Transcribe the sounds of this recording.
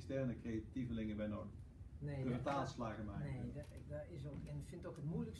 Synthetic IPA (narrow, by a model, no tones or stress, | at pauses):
kstɛrnəkrejativəlɪŋəbɛjnoːdəx | nedəvətaːlˠslaːɣəmɛjnedaɪsokɛnfɪntokɦətmujləks